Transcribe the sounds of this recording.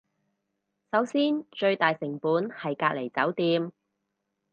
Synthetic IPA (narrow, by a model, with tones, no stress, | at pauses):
sɐ˨˥wsiː˥nt͡ʃɵ˧ɥt̪aː˨jsɪ˨˩ŋpuː˨˥nhɐ˨jkaː˧k̚le˨˩jt͡sɐ˨˥wt̪iː˧m